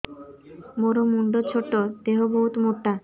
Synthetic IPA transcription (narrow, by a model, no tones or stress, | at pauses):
moɾomuɳɖot͡ɕʰoʈːod̪eɦoboɦut̪moʈːa